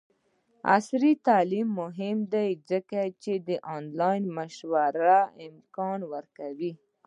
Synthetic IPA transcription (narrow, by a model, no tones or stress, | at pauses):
a̰sɾit̪alimːʊɦɪmd̪ajzəkat͡ʃed̪əʔɑnlɑjnməʃwaɾaɪmkɑnwəɾkawi